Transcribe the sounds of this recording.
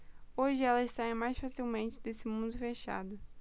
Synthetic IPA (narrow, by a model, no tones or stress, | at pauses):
oʒɪɛlɐzsaẽj̃majsfasiwmẽnt͡ʃɪd̪esɪmũnd̪ʊfeʃa̰d̪ʊ